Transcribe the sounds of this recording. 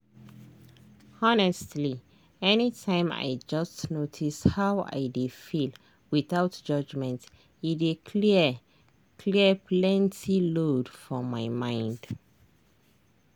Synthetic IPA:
ɔnɛstli | ɛnitʰãɪ̃ma̰ɪd͡ʒʌstnotʰishaʊa̰ɪdefil | wiθaʊtd͡ʒʌd͡ʒmɛ̃nt | idekʰli | kʰliəpʰlɛ̃ntʰilodfɔmaɪmãɪ̃nd̥

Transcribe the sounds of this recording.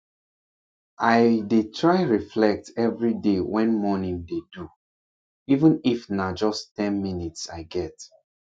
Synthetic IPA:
ʔaɪdetʰɹaɪɹiflɛk̚tɛvɹidewɛ̃nmɔnĩŋdedu | ivə̃nifnad͡ʒɔstɛ̃nminitsa̰ɪɡɛt

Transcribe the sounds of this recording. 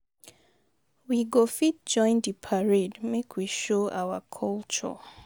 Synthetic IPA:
wiɡofit̚d͡ʒɔ̃ɪ̃ndipʰaɹedmekʰwiʃoʔa̰wa̰kʰɔlt͡ʃɔ̰

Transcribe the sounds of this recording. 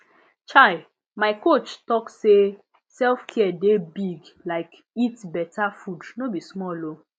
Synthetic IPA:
t͡ʃaɪ | maɪkot͡ʃtɔkse | sɛlfkʰɛdebiɡlaɪk | itbɛtʰafudnobismɔlo

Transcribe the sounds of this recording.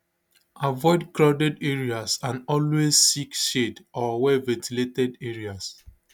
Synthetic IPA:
avɔɪdkɹaʊdɛdeɹiasãnɔlwezsikʃedɔwɛlvɛ̃ntiletɛdeɹias

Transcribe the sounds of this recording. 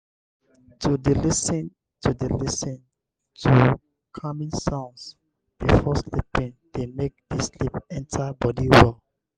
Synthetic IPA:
tʰudilisĩn | tʰudəlisə̃n | tʰu | kʰamĩsãʊ̃ns | b̥ifɔslipĩŋdemek̚deslipɛ̃ntʰabɔdiwɛl

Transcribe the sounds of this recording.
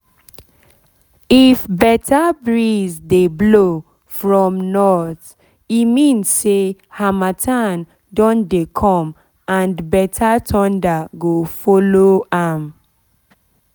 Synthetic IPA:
ifbɛtabɹizdeblo | fɹɔ̃mnɔθ | imĩnssehamatʰan | dɔ̃ndekʰɔ̃m | ãnbɛtʰatʰɔ̃ndaɡofɔloam

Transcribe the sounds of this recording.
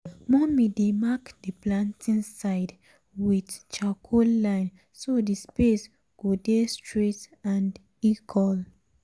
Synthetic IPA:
mɔmidemakdiplãntʰĩnsaɪd | widt͡ʃakʰolãɪ̃n | sodispes | ɡ̥odestɹitãnd | ikʰɔl

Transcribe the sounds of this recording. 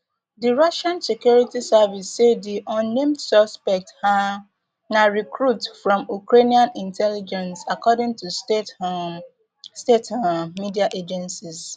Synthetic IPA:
diɹɔʃãnsekjuɹitisavisːeddiʔɔ̃nːẽmdsɔspɛk̚tha | naɹikɹutfɹɔ̃mukɹeniãnĩntʰɛlid͡ʒɛ̃nsakɔdɪ̃ŋtus | stetamidiaʔed͡ʒɛ̃nsis

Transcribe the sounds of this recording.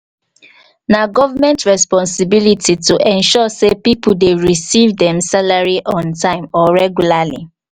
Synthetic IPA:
naɡɔvamɛ̃ntɹɛspɔ̃nsibilitʰituʔɛ̃nʃɔsepipul̩deɹisivdɛ̃msalaɹiʔɔ̃ntãɪ̃mɔɹɛɡjulalḭ

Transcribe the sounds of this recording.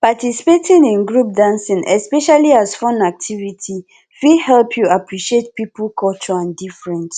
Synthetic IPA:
patisi̥petʰĩnĩnɡɹup̚dãnsĩnʔɛspɛʃaliazfɔ̃nak̚tʰivitʰi | fihɛlpʰjuapɹiʃet̚pipəlkʰɔlt͡ʃɔãndifɹɛ̃nt

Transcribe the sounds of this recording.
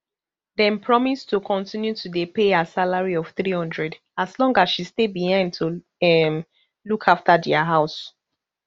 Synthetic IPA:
dɛ̃npʰɹɔmistukʰɔ̃ntĩnjutʰudepeasalaɹiɔv̥θɹihɔ̃ndɹɛd | aslɔ̃ŋɡasʃistebihãɪ̃ndtʰu | ɛm | lukʰaftadɛaɦaʊs

